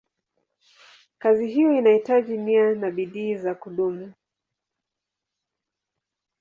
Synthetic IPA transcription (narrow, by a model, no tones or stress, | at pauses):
kaziɦijɔinahitaʄimianaɓiɗiːzakuɗumu